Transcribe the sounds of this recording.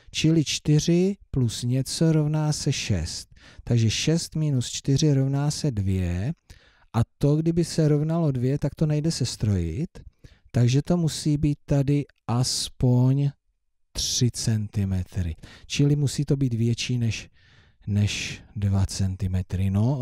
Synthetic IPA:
t͡ʃɪlɪt͡ʃt̪ɪr̝ɪplusɲɛt͡so̞ɾo̞vnaːsɛʃɛ̰st̪ːaɡʒɛʃɛst̪miːnust͡ʃt̪ɪr̝ɪɾo̞vnaːsɛdvjɛ | ʔat̪o̞ɡdɪbɪsɛɾo̞vnalo̞dvjɛt̪akt̪o̞najdɛsɛst̪ɾo̞jɪ̰t̪ː | aɡʒɛt̪o̞musiːbiːt̪ːadɪ | ʔaspo̞ɲ | t̪r̥ɪt͡sɛnt̪ɪmɛt̪ɾɪ̰t͡ʃɪlɪmusiːt̪o̞biːt̪vjɛt͡ʃiːnɛʃ | nɛʃdvat͡sɛnt̪ɪmɛt̪ɾɪno̞

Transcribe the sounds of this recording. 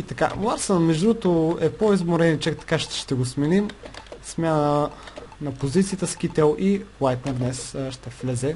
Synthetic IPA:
it̪ɐka̰lˠaɾsənmɛʒd̪ɾut̪oɛpoizmoɾɛnit͡ʃɛkt̪ɐ̥kaʃtʃt̪ɛɡosmɛnimsmʲjanə | nɐpozit̪sijət̪əskit̪ɛlˠilˠajt̪nɛɾd̪nɛsʃt̪ɛflɛzɛ

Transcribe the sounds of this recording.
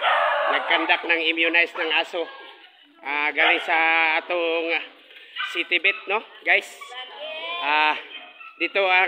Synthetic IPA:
nɐɡ̚kand̪ak̚naŋɪmjʊnajsnaŋaːso | ʔaɡaːlɪŋsaaːt̪oŋ | sit̪ɪbɛt̪̚noɡajs | ʔa | d̪ɪt̪oa

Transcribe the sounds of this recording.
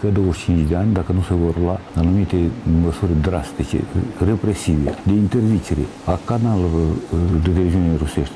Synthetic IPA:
kəd̪owəʐt͡ʃint͡ʃd̪ʲeanʲd̪akənusevoɾlaanumit̪eməsuɾed̪ɾast̪it͡ʃḛrepɾesived̪eint̪erd̪it͡ʃeɾḛ | akanal | d̪et̪evʲizionʲeɾuseʂt̪

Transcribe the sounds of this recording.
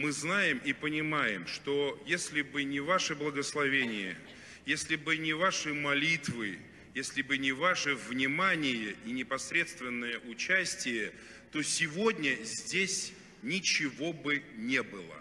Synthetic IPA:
mɨznajɪmʔipənʲɪmajɪmʂt̪o̞jesʲlʲɪbɨnʲɪvaʂɨblˠəɡəslˠɐvʲenʲɪjə̰ | jesʲlʲɪbɨnʲɪvaʂɨmɐlʲit̪vɨ | jesʲlʲɪbɨnʲɪvaʂɨvnʲɪmanʲɪjəʔinʲɪpɐsɾʲe̞t̪st̪vʲɪnːəjəʔʊt͡ɕæsʲtʲɪjə | t̪o̞sʲɪvo̞dʲnʲəzʲdʲesʲ | nʲɪt͡ɕɪvo̞bɨnʲe̞bɨlˠə̰

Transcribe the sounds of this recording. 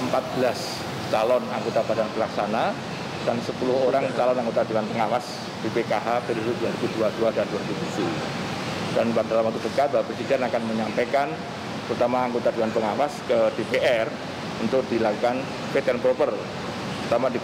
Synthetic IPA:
əmpat̪̚b̥əlas | t͡ʃalɔnaŋɡot̪abadanbəlaksana | d̥ansəpulʊhoɾaŋt͡ʃalɔnaŋɡot̪adianpəŋawas | d̥ipekaɦapedududuaɾibuduaduadanduaɾibudusu | d̥anpadalamat̪udəkat̪̚daapɾəsidianakanməɲampakan | t̪əɾut̪amaːŋɡot̪aduanpəŋawaskədepeʔɛr | unt̪ʊk̚d̥ilakukan | pet̪ɛnpɾopər | t̪əɾut̪amadi

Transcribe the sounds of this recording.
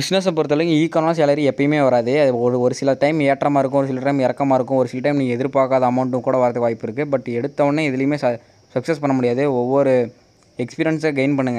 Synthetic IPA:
bɪsnɐs̬ɐpɔɾɯt̪ːɐlːɐjiːkːɐnlaːs̬aːlɐɾiɛpːɐjɯmeːʋɐɾaːðɯɐɯɔɾɯɔɾɯsɪlɐʈɐɪmeːʈːɾɐmaːɪɾɯk̬ːʊ̃ɔɾɯsɪlɐʈɐɪmɪɾɐkːɐmaːɪɾɯkːʊ̃ɔɾɯsɪlɐʈɐɪmniːŋɡɐɛðɪɾpaːkaːðɐɐmɐʊɳʈɯ̃kuːɽɐʋaɾt̪ːɯkʋaːjɪpːɪɾɯkːɯbɐʈːɛɽɯt̪ːɐʋɐɳːeɪðɪlɐjɯmeːsɐ | sɐksɐspɐɳːɐmʊɽɪjaːðɯɔʋːɔɾɯ | ɛkspiːɾɪjɐnseɡɐɪnpɐɳːɯŋɡɐ

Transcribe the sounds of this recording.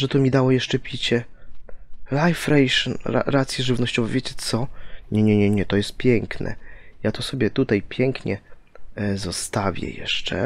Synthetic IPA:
ʐɛt̪ɔmʲid̪awɔjɛʂt͡ʂɛpʲit͡ɕɛ | lajfɾɛjʂɔna̰ɾat̪sʲjɛʐɘvnɔɕt͡ɕɔvɛvʲjet͡ɕɛt̪sɔɲɛɲɛɲɛɲɛt̪ɔjɛst̪̚pʲjɛŋknʔɛ̰jat̪ɔsɔbʲjɛt̪ut̪ajpʲjɛŋkɲɛ | zɔst̪avʲjɛ̰jɛ̰ʂt͡ʂɛ̰

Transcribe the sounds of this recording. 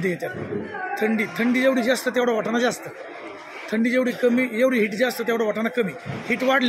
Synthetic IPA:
t̪̬əjet̪jat̪̚t̪ʰəɳɖiːt̪ʰəɳɖiːd͡ʑeʋɽiːd͡zast̪ət̪jaʋɽaʋaʈanad͡zast̪ə | t̪ʰəɳɖiːd͡ʑeʋɽiːkəmiːd͡ʑeʋɽiːɦiʈd͡zast̪ət̪jaʋɽaʋaʈanakəmiːhiʈʋaɽl

